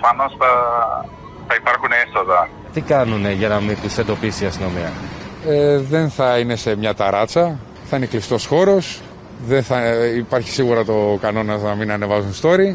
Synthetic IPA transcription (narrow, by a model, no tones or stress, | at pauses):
fɐno̞sθɐ | θɐipɐɾxuneso̞ðɐ | t̪ikɐnuneʝɐnɐmit̪usend̪o̞pisiɐst̪ino̞miɐ̰eðe̞nθɐine̞se̞mɲɐt̪ɐɾɐt͡sɐ | θɐineklist̪o̞sxo̞ɾo̞s | ðenθɐipɐɾçi̥siɣuɾɐt̪o̞kɐno̞nɐznɐminɐne̞vɐzunst̪o̞ɾi